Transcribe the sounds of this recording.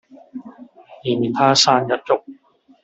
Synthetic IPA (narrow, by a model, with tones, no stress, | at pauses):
jiː˨˩miː˨˩t̪ʰaː˥˩saː˧˩nja˦˥t̪̚t͡ɕo˨˩k̚